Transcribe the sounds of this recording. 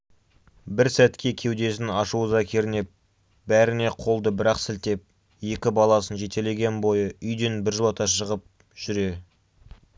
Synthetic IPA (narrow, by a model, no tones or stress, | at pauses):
bɪɾsæt̪kʲe̞kʲʰe̞wd̪e̞s̬ɪnɑʃuəzɑkʲʰe̞ɾɪne̞p̚ | bæɾɪne̞qʰo̞lˠd̪əbɪɾɑqsɪlt̪e̞p̚ | je̞kʲɪbɑlˠɑsənʒe̞t̪ele̞ɡʲe̞nbo̞jəʔʏjd̪e̞nbɪɾʒəlˠɑt̪ɑʃəʁəp̚ | ʒ̥ʏɾe̞